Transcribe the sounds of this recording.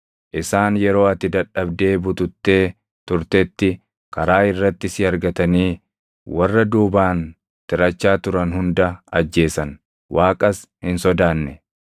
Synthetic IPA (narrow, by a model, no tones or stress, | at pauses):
ʔɪsaːnjɛɾo̞ːɐt̪ːɪd̪ɐᶑːɐbd̪e̞ːbʊt̪ʊt̪ːe̞ː | t̪ʊɾt̪ɛt̪ːɪ | kɐɾaːɪrːɐt̪ːɪsɪɐɾɡɐt̪ɐniː | wɐrːɐd̪uːbaːn | t̪ɪɾɐt͡ʃːaːt̪ʊɾɐnhʊnd̪ɐɐd͡ʒːe̞ːsɐn | wʔaːkʼɐs | hɪnsɔd̪aːnːɛ